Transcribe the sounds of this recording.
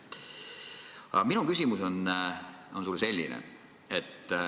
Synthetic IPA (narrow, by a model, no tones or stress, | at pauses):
ɑ̰minukysʲimuso̞n | o̞nsulːse̞lʲːḭnḛ | et̪ː